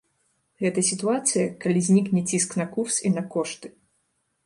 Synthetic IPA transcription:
ɣɛt̪ɐsʲit̪uat̪sɨjɐkalʲizʲnʲiknʲɛt͡sʲisknɐkursinɐkɔʂt̪ɨ̥

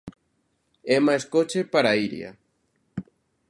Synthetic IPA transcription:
emaeskot͡ʃepaɾaiɾj̰a̰

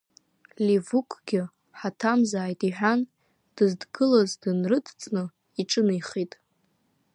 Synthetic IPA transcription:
livukʷʼɡ̥ʲɪ | ħatʰamzaːjtʼiħʷᶣan | d̥ɨzdɡɨlazdɨnrɨdʰt͡sʼnɨ | iʈ͡ʂʼɨnɨjχitʼ

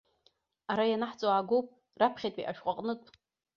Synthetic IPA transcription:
aɾajanaħt͡sʼoaːɡowpʼ | rapʰχʲejtʼḭʔa̰ʃᶣqʷʼaqʼnɨtʼ

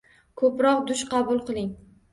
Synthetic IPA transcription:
kʰɵpɾɒqd̪ʊʃqʰɑbʊlˠqɨlˠɪŋ

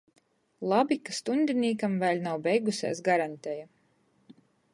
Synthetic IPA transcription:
lˠabikast̪und̪ʲiniːkamvæːlʲnawbɛjɡusḛːsɡaɾant̪eja

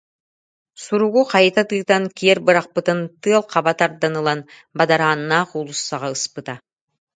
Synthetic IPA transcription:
suɾuʁuqʰɑjt̪ɑt̪ɯt̪ɑŋkʲʰeɾbɯɾɑq̚pɯt̪ɯnt̪ɯɑlˠqʰɑbɑt̪ɑɾd̪ɑnɯlˠɑn | bɑd̪ɑɾɑnːɑqulˠusːɑʁɑɯspɯt̪ɑ

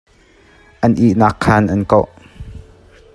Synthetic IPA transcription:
ʔɐnʔiʔnakʰːɐnʔɐnkowʔ

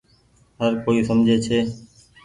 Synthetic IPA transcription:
ɦəɾkoːiːsəmd͡ʒʱeːt͡ʃʰeː

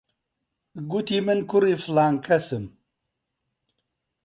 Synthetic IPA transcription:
ɡut̪imɨnkuɾiflaŋkʰɐsɨm

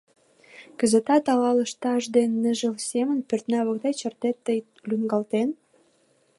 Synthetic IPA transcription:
kə̆zə̆t̪ɑt̪ɑlɑləʃt̪ɑʒd̪enːəʒəlsemə̆npørt̪næβə̆kd̪et͡ɕərt̪et̪ːəj | lyŋɡɑlt̪en

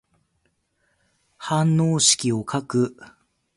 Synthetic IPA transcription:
hãnːoːɕi̥kʲio̞kʰakɯ̟

